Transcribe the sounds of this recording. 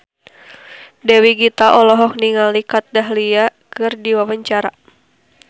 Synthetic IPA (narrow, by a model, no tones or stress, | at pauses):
dɛwiɡit̪aʔɔlɔɦɔk̚niŋalikat̪̚daɦliakɨrdiwawəɲt͡ʃaɾa